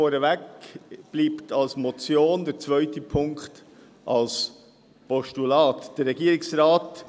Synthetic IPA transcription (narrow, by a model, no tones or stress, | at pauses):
ɔːɾəvɛkb̥liːptʰɑlsmɔt͡sjoːndəɾt͡svœʏtəpʰʊŋkχt | ʔɑls | pɔʃtulɑːtd̥əɾːɛɡiːɾɪksɾaːt